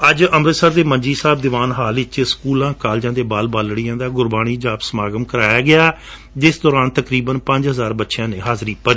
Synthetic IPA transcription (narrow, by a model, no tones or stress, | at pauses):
əd͡ʒəmɾət̪səɾd̪eːməɲd͡ʒiːsaːb̚d̪ɪʋaːnɦaːlɪt͡ʃskuːlãːkaːld͡ʒãːd̪eːbaːlbaːlɽiːãːd̪aːɡʊɾbaːɽ̃iːd͡ʒaːpsəmaːɡəmkəɾaːjaːɡɪaː | d͡ʒɪsd̪ɔːɾaːnt̪əkɾiːbənpə̃ɲd͡ʒɦəzaːɾbətːʃjãːneːɦaːzɾiːpə